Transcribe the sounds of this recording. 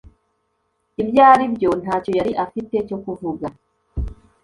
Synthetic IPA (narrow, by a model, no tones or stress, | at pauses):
ibjaːɾibjo̞n̥haːto̞jaɾiʔafite̞co̞kuvuɡa